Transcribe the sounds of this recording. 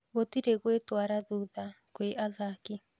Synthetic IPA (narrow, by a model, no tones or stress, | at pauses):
ɣotiɾeɣwetwaɾaðuða | kweʔaðaki